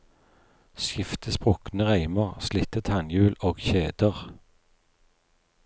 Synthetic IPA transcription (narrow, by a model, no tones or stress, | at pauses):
sjɪft̪əspʁʊknəʁæɪməʁslɪt̪ət̪ʰɑŋjʉːloːɡçeːd̪əʁ